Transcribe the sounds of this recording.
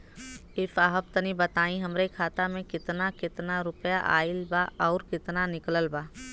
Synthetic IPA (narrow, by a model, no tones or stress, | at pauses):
ɪfaːɦəb̚t̪ənibət̪aːĩɦɐmɾekʰaːt̪amẽkɪt̪nakɪt̪naɾʊpja̰ʔa̰ːɪlbaɔːɾkɪt̪nanɪkləlbaː